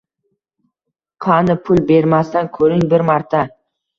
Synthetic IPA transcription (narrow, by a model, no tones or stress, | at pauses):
qʰɑnɪpʰʊlbe̞ɾmast̪ankʲʰɵɾɪŋbɪɾmɑɾt̪ʰa